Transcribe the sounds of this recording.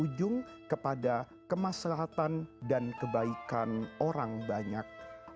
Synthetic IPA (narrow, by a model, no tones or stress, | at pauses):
ud͡ʒʊŋ | kəpada | kəmaslaɦat̪andankəbaikanoɾaŋbaɲak̚